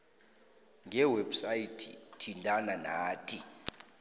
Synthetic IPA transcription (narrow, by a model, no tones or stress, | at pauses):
ŋʱɛwɛbsaitʰḭtʰintʼananaːtʼi